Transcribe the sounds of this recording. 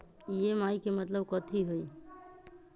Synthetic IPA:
ijemaːikemət̪ləbkət̪ʰiɦoi

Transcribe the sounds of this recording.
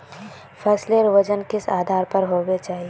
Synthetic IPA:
fʰɛːsleɾʋɐd͡ʒənkɪsaːd̪ʱaːɾpɐɾɦoːɡet͡ʃaːɦie

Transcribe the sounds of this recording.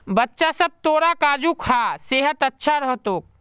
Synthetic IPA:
bətːʃasəb̚t̪oːɾakaːd͡ʒukʰaseːɦət̪ɐtːʃʰaɾəɦt̪oːk̚

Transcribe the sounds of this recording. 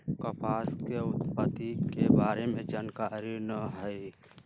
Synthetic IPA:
kəpʰaːskeʊt̪pət̪ikebaːɾemẽd͡ʒankaɾinəɦəj

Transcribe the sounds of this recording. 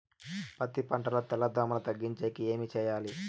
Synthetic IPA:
pɐt̪ipɐɳʈɐlɐt̪ːɐlɐd̪ʋɐmɐnɐt̪ɐɡːiɲt͡ʃejkieːmit͡ʃɛjaːli

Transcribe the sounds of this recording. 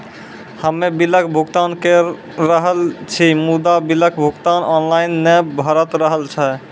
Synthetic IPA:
həmebiləkʰbʱuɡt̪ankeː | əɦəlt͡ʃʰimud̪abiləkʰbʱuɡt̪anɔnlajnːɛbʱɔɾət̪ɾəɦəlt͡ʃʰa

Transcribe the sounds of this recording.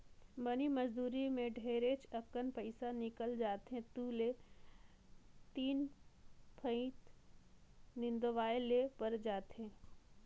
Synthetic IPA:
bɐnimɐzd̪uːɾimẽɖʱeːɾet͡ʃɐkənpɐɪsanɪkəld͡ʒaːt̪ɦẽt̪uːle | t̪iːn | pʰə̃ĩt̪ | nɪ̃nd̪oʋaːelepɐɾd͡ʒaːt̪ʰɦẽː

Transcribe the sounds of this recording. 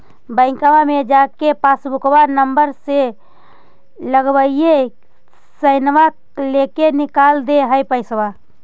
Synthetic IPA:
bəɪ̃kaʋamed͡ʒakepasbʊkbanəmbəɾse | ləɡbəie | səɪnʋa | lekenɪkaːld̪eɦəjpəɪswa

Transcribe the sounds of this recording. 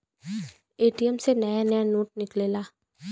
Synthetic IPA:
eːʈijəmsenəjanəjanoːʈ̚nɪkleːlaː

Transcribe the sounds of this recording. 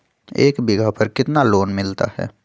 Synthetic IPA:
eːkbɪɡʱapɐɾkɪt̪naloːnmɪlt̪a̰hɛ̰ː

